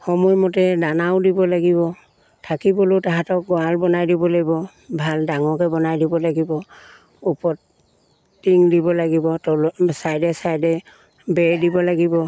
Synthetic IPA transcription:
xɔmɔjmɔtɛdanawdibɔlaɡibɔ | tʰakibɔlotaɦatɔk̚ɡɔalbɔnajdibɔlaɡibɔ | bʱaldaŋɔkɛbɔnajdibɔlaɡibɔ | upɔt | tːiŋdibɔlaɡibɔtɔlsajdɛsajdɛ | bɛɹdibɔlaɡibɔ

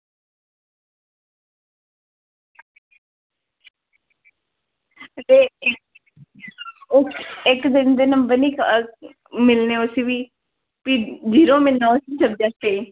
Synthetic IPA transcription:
deː | ʊkɪkd̪ɪnd̪eːnəmbənik | mɪlneːʊsiʋiː | pid͡ʒiːɾõːmɪlnãːʊsiːt͡ʃəb̚d̪aːse

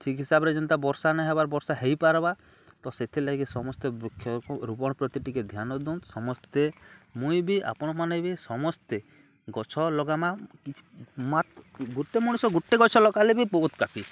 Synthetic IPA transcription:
t͡ʃʰikɦisabɔɾed͡ʒɔnt̪abɔɾsanɛɦebaɾbɔɾsaɦejpaɾɔba | t̪ɔset̪ʰilaɡisɔmɔst̪ebukʰjɔɔɾupɔɽ̃ɔpɾɔt̪iʈiked̪ʱjanɔd̪ũsɔmɔst̪emũibiʔa̰pɔɽ̃ɔmanebisɔmɔst̪e | ɡɔt͡ʃʰɔlɔɡamakit͡ʃʰmat̪ɡuʈːemɔɽ̃usɔɡuʈːeɡɔt͡ʃʰɔlɔkalebipot̪kapʰi

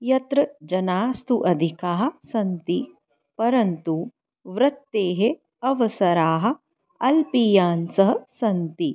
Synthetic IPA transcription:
jɐt̪ɾɐd͡ʒɐnaːst̪uʔɐd̪ʱikaːɦɐ̆sɐnt̪i | pɐɾɐnt̪u | ʋɾɐt̪ːeːɦe | ɐʋɐsɐɾaːɦɐ̆ | ɐlpiːjaːnsɐɦɐsɐnt̪i

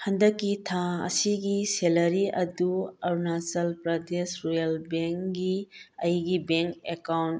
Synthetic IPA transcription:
hɐndəkːitʰaɐ̰siɡiselɐɾiʔɐduɐɾnasɐlpɾɐdesɾujɐlbeŋkɡiɐjɡibeŋkekawn

